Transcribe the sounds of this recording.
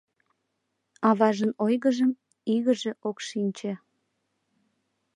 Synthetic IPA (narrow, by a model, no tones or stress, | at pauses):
ɑβɑʒənojɣəʒəm | iɣəʒeʔokʃinʲt͡ɕĕ